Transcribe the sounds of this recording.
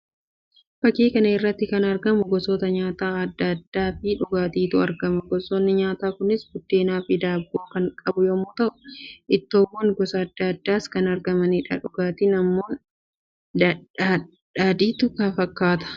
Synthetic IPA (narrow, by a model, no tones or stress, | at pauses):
b̥ɐkiːkɐnɐɪrːɐt̪ːɪkɐnɐɾɡɐmʊɡɔsoːt̪ɐɲaːt̪aːɐd̪ːɐd̪ːaːfɪᶑʊɡaːt̪iːt̪ʊɐɾɡɐmɐɡɔsoːnːɪɲaːt̪aːkʊnɪsbʊd̪ːeːnaːfɪd̪aːbːoːkɐŋkʼɐbʊjomʊːt̪ɐʔʊ̥ʔɪt̪ːoːmːoːnɡɔsɐːd̪ːɐd̪ːaːskɐnɐɾɡɐmɐniːᶑɐᶑʊɡaːt̪iːnɐmːo̞ː | ᶑaːd̪iːt̪ʊkɐfɐkːaːt̪ɐ̥